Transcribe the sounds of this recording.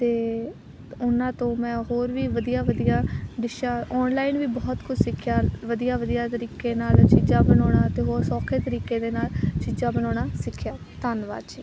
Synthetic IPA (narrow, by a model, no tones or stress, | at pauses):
t̪eː | ʊnãːt̪õːmɛ̃ːɦoːɾʋiːʋəd̪ijaːʋəd̪ijaːɖɪʃaːɔːnlaːɪnʋiːbɔːt̪kʰʊd͡ʒsɪkʰːjaːʋəd̪ijaːʋəd̪ijaːt̪əɾiːkeːnaːlt͡ʃiːd͡ʒãːbənɔːɽ̃ãːt̪eːɦoːɾsɔːkʰeːt̪əɾiːkeːd̪eːnaːlt͡ʃiːd͡ʒãːbənɔːɽaːsɪkʰːjaː | t̪aːnʋa̰ːt͡ʃiː